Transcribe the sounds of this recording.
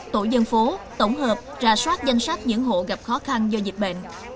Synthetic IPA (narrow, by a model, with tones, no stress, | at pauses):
t̪o̰˧˩jzə˧nfo˨˦t̪ə˧˩wŋ͡mɦəː˨˩p̚zaː˧˩swaː˦˥t̚za˧jŋ̟sa˦˥k̚ɲɨ̰˧˥ŋɦo̰˧˨ɣa˨˩p̚xɔ˨˦xa˧nzɔ˧zi˨˩t̚ɓḛ˧˨n